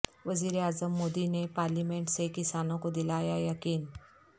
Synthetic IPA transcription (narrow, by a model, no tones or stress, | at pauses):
ʋəziːɾeazəmːod̪inepaɾlimeɳʈsekisanõkod̪ilajajəkiːn